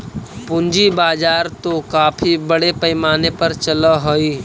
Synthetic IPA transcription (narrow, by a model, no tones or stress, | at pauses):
pʊ̃ɲd͡ʒibaːd͡ʒaːɾt̪okaːpʰibəɽepɐɪmaːnepɐɾt͡ʃɐləɦoiː